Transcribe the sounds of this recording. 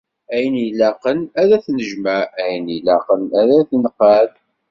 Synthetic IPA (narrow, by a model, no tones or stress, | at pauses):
æjənilæqənæðæθnəʒmææjənilæqənæðæθnqːæð